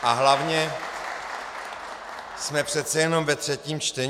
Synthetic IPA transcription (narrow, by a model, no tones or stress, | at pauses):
ʔaɦlavɲɛ | smɛpr̥ɛt̪t͡sɛjɛno̞mvɛt̪r̥ɛciːmt͡ʃt̪ɛɲ